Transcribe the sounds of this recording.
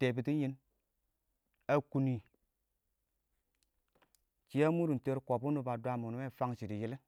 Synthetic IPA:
te˨bi˨ti˦ɲi˧˦n | a˨ku˨ni˨ | t͡ʃi˨˦a˦mu˦ɾu˨n̩˨te˧ɾko˨pu˦nu˦ba˨dʷa˧mu˨nu˦e˦˨fa˦ŋʃi˨di˨ji˦li˦

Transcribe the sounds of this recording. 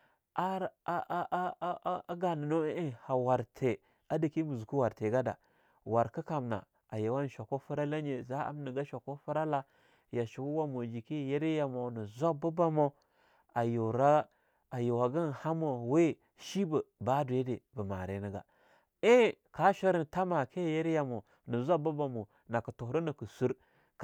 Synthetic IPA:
a˦ɾʔɡa˨nə˨no˦e˦ha˨wa˨ɾtʰe˨ | a˦di˨ki˦mu˨zu˨ku˦wa˨ɾte˨ɡa˦da̰˨ | wa˨ɾkə˦ka˨mna̰˨ | a˨je˨wa˦n˨ʃʷa˨ko˦fu˦ɾa˦la˦ɲe˨za˦a̰˨m˦nə˨ɡa˦ʃa˨ko˦fu˦ɾa˦la˦ | ja˨ʃu˨wu˦wa˦mo˨d͡ʒi˨ki˦˨je˦ɾi˦ja˨mo˨nə˨zo˦bə˦ba˦mo˦ | a˨jo˨ɾa˦ | a˨jo˨wa˨ɡa˦n˨ha˦mo˨we˦˨ | ʃi˦bə˨ba˦du˨e˦de˨bə˨ma̰˨ɾe˨nə˨˦ɡa̰˨ | e˦ka˦ʃa˦ɾi˦n˨ta˦ma˨kʰe˦˨je˦ɾja˨mo˨ | nə˨zʷa˦bu˦ba˨mo˨ | na˨kə˨tu˨˦ɾi˦nə˨kə˨su˦ɾ | k

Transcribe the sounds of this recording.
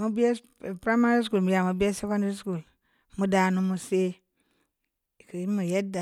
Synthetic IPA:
mu˦bi˦e˦˨ | pɾa˦ma˦ɾi˦s̬ku˦˨lmu˨ja˨mu˨bi˦e˦se˦kõ˦ndɾi˦sku˨l | mu˦da˨nu˦mu˦se˦˨ | ki˨i˦mu˨je˦da˨

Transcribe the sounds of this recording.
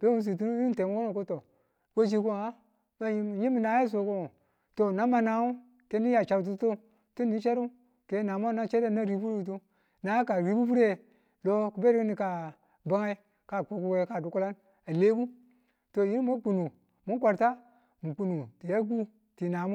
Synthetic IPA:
b̥e˦wu˦s̬i˨tu˦nu˦ji˦te˨mu˦ko˦no˨ko˦to˨ | ko˦d͡ʒi˦ko˦˨a˦ | ma˦ji˦˨ji˦mi˨na˨˦ji˦s̬o˨ko˦ŋo˨ | to˨na˦ma˨na˨˦u˦ | ke˨˦ni˦ja˨t͡ʃa˨wt̬u˦to˦ | ti˦ni˦t͡ʃe˦ɾu˦ | ke˨˦na˨mo˦na˦t͡ʃe˦de˦na˦ɾi˦bu˦ɾi˦˨˦t̬o˦ | na˨˦ka˨ɾi˨˦bu˦bu˦ɾe˦˨ | lo˦ku˨be˦ɾi˦kni˨ka˨ | ba˦ŋa˦i˦ | ka˨k͡po˨ku˦e˦ka˨du˨˦ku˦la˦n | a˨le˦ɡu˦ | to˨ji˦n˦mo˦k͡pu˨nu˨ | mu˦kʷa˨ɾta˦ | mu˨k͡pu˨nu˨ti˨ja˦ɡu˦ | ti˨na˨mo˦

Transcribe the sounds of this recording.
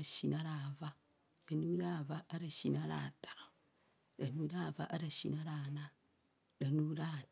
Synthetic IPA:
aʃi˨na˦ɾaβa˦ | la˨nu˦ɾa˦˨va˦a˦ɾa˨ʃi˨naɾa̰tḁ˨ | ɾa˨nu˦ɾa˦˨va̰˦ʔa˦ɾa˨ʃi˨na˦ɾana˦ | la˨nu˦ɾa

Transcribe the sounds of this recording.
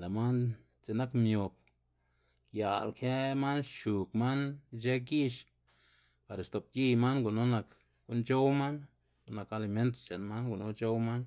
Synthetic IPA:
la˨ma˦n | t͡se˧na˦kmjo˨p̚ | ja˨lkʰe˦ma˦nʃu˨kma˦nt͡ʃe˦ɡi˦ʃ | pa˨ɾst̪o˨p̚ji˧jma˦nɡu˨no˦na˨k | ɡ̥u˧˦nt͡ʃo˦wma˦n | ɡu˨na˨ka˧li˧˨me˦nt̪̬o̥˨t͡ʃe˨nma˦nɡu˨no˦t͡ʃo˦wma˦n

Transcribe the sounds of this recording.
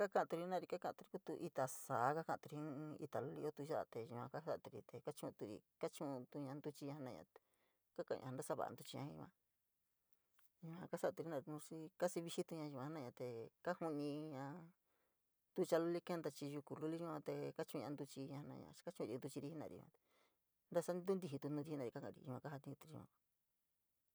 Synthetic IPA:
ka˦kã˧ã˧t̪u˧ɾi˧˦nã˧˨ɾi˧ka˦kã˧t̪u˧ɾi˧ku˦t̪u˧ʔi˧t̪a˨saː˨˦ka˦kã˧˨t̪u˧ĩ˧˦˧ḭ˧t̪a˨lu˦li˦o˦t̪u˧ʒa˦a̰˧t̪e˧ʒũ˧ã̰˧ka˦sa˦ʔt̪u˧ɾḭ˧t̪e˧ka˦t͡ʃũ˦˧t̪u˧ɾḭ˧ka˦t͡ʃũ˦˧t̪u˧ɲã˧nd̪u˧t͡ʃi˧ɲã˧hnã˧ɲã̰˧ | ka˦kã̰˧ɲã̰˧nda˦sa˦˧βa̰˨a̰˧nd̪u˧t͡ʃi˧ɲã˧ĩ˧ã˧ | ʒũ˧ã˧ka˦sa˦˨t̪u˧ɾi˧˦nã˧˨ɾnũ˧ʂi˦ka˦si˧βi˧ʃi˦t̪u˧ɲã˧ã˧a˦nã˧ɲã˧t̪e˨ka˦hu˧nĩ˧ɲã˧ | d̪u˦t͡ʃa˧lu˦li˦ke˦nd̪a˧t͡ʃi˧ʒu˧ku˧lu˦li˦ũ˦ã˧t̪e˧ka˦t͡ʃũ˧ã˧nd̪u˧t͡ʃi˧ɲã˧nã̰˧ɲã̰̥˧ka˦t͡ʃũ˦˧i˧nd̪u˧t͡ʃi˧ɾi˧i˦nã̰˧ɾḭ˧ã̰˧t̪e̥˨ | nd̪a˦sa˦nd̪u˦nd̪i˧ɦi˧t̪u˧nũ˧d̪i˧hi˦nã˧˨ɾi˧ka˦kã̰˧˨˧ɾḭ̃˧mã̰˧ka˦ɦa˧t̪ĩ˧t̪u˧ɾi˧ã̰˧

